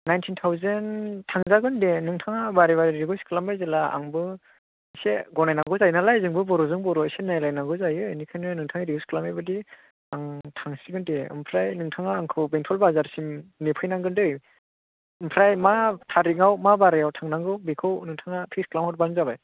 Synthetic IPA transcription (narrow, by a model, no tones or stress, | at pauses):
najntʰintʰawzentʰaŋzaɡɯndenɯŋtʰaŋabaɾiβaɾiɾiɡɯskʰɯlambajzelaa̰ŋbɯ | seɡɔnajnaŋɡɯzajnalajzɯŋbɯbɔɾɔzɯŋbɔɾɔisenajlajnaŋɡɯzajɯenikʰajnɯnɯŋtʰaŋaɾiɡuskʰɯlamajbɯdi | aŋtʰaŋsiɡɯndeɯ̰mpʰɾajnɯŋtʰaŋaːŋkʰɯwbeŋtʰɔlbazaɾsimnepʰɯjnaŋɡɯndɯj | ɯmpʰɾajmatʰaɾiŋawmabaɾɯjawtʰaŋnaŋɡɯwbikʰɯwnɯŋtʰaŋapʰisklamhɔt̚banzabaj